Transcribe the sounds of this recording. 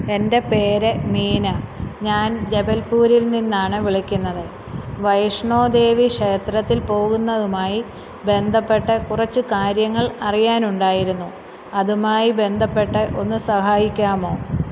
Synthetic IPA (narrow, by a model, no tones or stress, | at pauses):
e̞nde̞pe̞ːɾemiːnɐɲaːnd͡ʑe̞bɐlpuːɾilninːaːɳɨʋiɭɐkʲːunːɐðɨ | ʋɐjʂɳo̞ːd̪e̞ːʋiʂe̞ːt̪rɐt̪ːilpo̞ːɣunːɐðumaːji | be̞nd̪ʱɐpːe̞ʈːɨkurɐt͡ɕːɨkaːɾjɐŋːɐɭɐrijaːnuɳɖaːjiɾunːu | ɐðumaːjibe̞nd̪ʱɐpːe̞ʈːɨʔo̞nːɨsɐhaːjikʲːaːmo̞ː